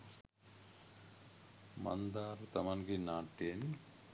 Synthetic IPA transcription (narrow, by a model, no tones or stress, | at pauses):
mɐ̰nd̪aːɾut̪ɐmɐnɡinaːʈːeːni